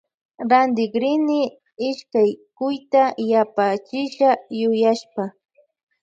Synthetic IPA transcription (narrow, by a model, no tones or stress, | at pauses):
ɾand̪ɪɡɾɪnɪ | ɪʃkajkʊjt̪ajapat͡ʃɪʃajʊjaʃpa